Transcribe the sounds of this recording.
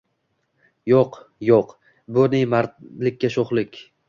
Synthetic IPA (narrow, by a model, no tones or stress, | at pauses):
joqjoq | bʊnɪjmaɾlɪkʲʰːaʃoχlˠɪkʲ